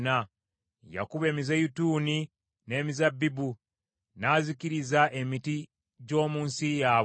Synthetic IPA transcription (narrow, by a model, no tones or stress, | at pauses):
na | ja̰kuβe̞ːmizajutuːni | ne̞ːmizabːibu | naːzikiɾizaʔe̞miti | ɟo̞ːmuːnsijaːβ